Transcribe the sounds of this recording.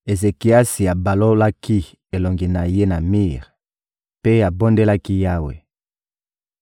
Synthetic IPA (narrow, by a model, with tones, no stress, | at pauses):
e˨ze˨ki˨a˦si˨ja˨ba˨lo˦la˦ki˦ | e˨lo˨ŋɡi˨na˨je˦na˨mi˦ʁ | pe˦ja˨bo˦nde˦la˦ki˦ja˦wḛ˨